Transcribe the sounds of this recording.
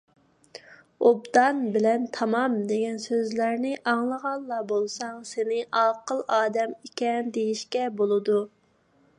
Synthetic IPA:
obd̪ɑnbɪlɛnt̪ʰɑmɑmd̪eɡʲɛnsøzlæɾnɪʔɑŋlˠəʁɑlˠːɑbolˠsɑŋsenɪʔɑqəlˠɑːd̪ɛmikʲɛnd̪ejiʃkʲɛbolˠɨd̪u

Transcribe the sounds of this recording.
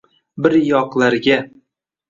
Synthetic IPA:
bɪɾjɒqlˠaɾɡʲa

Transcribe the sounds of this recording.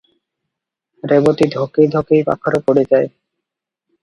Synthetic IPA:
ɾebot̪id̪ʱokejd̪ʱokejba̰kʰːaɾopoɽed͡ʑae

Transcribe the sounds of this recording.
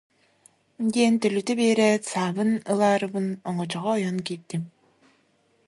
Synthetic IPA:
d̪iɛnt̪œlyt̪ɛbeːɾɛsaːβɯnɯlˠaːɾɯβɯnɔŋɔt͡ɕɔʁɔːjɔnkiːɾ̚t̪im

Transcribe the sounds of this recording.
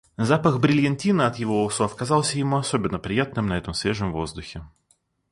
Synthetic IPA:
zapəxbɾʲɪlʲjɐnʲtʲinəɐt̪jɪvoʊsot̪kɐzɑlˠsʲəjɪmuɐsobʲɪnːəpɾʲɪjat̪̚nɨmnɐɛt̪əmsvʲe̞ʐɨmvo̞zd̪ʊxʲɪ

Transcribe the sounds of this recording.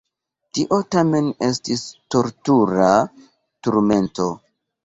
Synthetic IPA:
tiʔo̞tame̞nestisto̞ɾtuɾa | tuɾme̞nto̞

